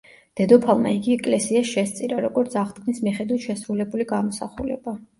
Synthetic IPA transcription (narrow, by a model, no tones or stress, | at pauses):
d̪̥ɛd̪ɔpʰalˠma̰iɡiɛkʼlɛsiasʃɛst̪sʼiɾaɾɔɡɔɾt̪sʰaχt̪̚kɡʰʼnismiχɛd̪wit̪ʃɛsɾulɛbuliɡamɔsa̰χulɛ̰ba